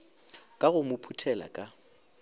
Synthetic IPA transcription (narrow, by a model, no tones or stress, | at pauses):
kʼaɣʊmʊpʰutʰɛla̰kʼa